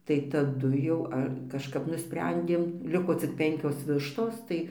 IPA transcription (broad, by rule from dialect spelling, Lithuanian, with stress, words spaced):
tɐɪ tɐˈdʊ jɛʊ ˈɐ kɐʃˈkɐp nʊˈsʲpʲrʲɛnʲdʲeːm ˈlʲɪkoː t͡sʲɪk ˈpʲɛŋʲkʲoːs ˈʋʲɪʃtoːs ˈtɐɪ